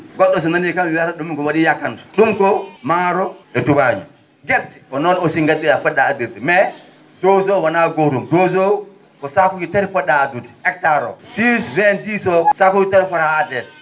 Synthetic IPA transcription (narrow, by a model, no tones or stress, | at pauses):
ɡɔɗːɔs̬ɔnanikamiwataɗumkɔwaɗijakːantɔ̥ɗumkɔmaɾɔɛtuwad͡ʒṵ | ɡɛfti̥ɔnɔnɔsiŋɡaɗːijafɔɗaːdiɾdimɛ | d̥ozowanaɡoɾumdozow | kɔsakuɡitaɾifɔɗaːdudiɛk̚taɾɔ̰sisvɛntisɔsakuɡitaɾifɔɾaadɛ